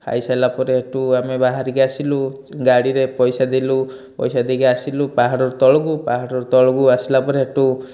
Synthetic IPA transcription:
ha̰jsajlapɔɾeːʈuamebaɦaɾiɡɛasilu | ɡaɽiɾepɔjsad̪ilu | pɔ̰jsad̪iɡɛasilupaɦaɽɔɾt̪ɔɭɔɡupaɦaɽɔɾt̪ɔɭɔɡuasilapɔɾeeʈu

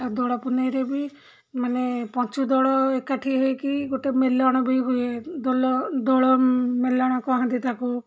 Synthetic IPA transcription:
ad̪ɔɽɔpunejɾebi | manepɔt͡ʃud̪ɔɭɔekaʈʰiɦejkiɡoʈemelɔɽ̃ɔbijbued̪ɔlɔd̪ɔɭɔmelɔɽ̃ɔkɔaɦãnd̪it̪aku

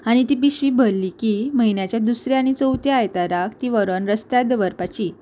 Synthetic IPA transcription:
aɽ̃it̪iːpiɕʋibʱəlːikiməɦinjat͡ɕjad̪usɾjañit͡səwt̪eajt̪aɾak̚t̪iʋəɾənɾəst̪jad̪əʋəɾpat͡ɕiː

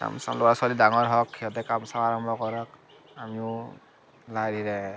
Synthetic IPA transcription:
ka̰msa̰lʊwasualidaŋɔɹɦɔkʰːiɔtɛkamsaaɹɔmbʱɔkɔɹɔk̚ | amiʊ | laɹiɹɛ

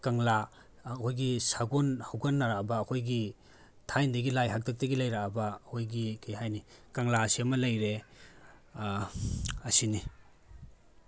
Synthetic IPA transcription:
kaŋla | kʰojɡisaɡonhawɡanːaɾabɐːkʰojɡi | tʰajndɐɡilajɦak̚tʰak̚tɐɡilajɾabɐːkʰojɡikajɦajnikaŋlaɐsiɐmɐlɐjɾe | ɐsini

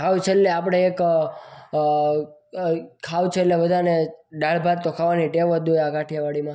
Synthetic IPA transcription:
kaʋt͡ʃʰelleap̬ɽ̃eek | kʰawt͡ʃʰeːtleʋəd̪ʱaneɖaɭbʱaɾt̪okʰaʋaniʈeʋəd̪ojakaʈʰjaʋaɽimã

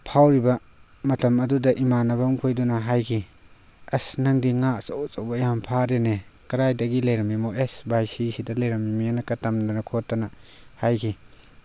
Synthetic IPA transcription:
pʰawɾibɐ | mɐtɐmɐdudɐʔimanɐbɐmkʰojdunɐɦajkʰi | ɐsnɐŋdiŋasawt͡ʃawbɐjampʰaɾenekɐɾajdɐɡilɐjɾɐmimoʔesbʱajsisidɐlɐjɾɐmimianɐkɐtɐmdanɐkʰotːɐnɐ | hajkʰi

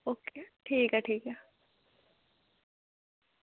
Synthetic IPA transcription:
okːeʈʰiːkɐʈʰiːka

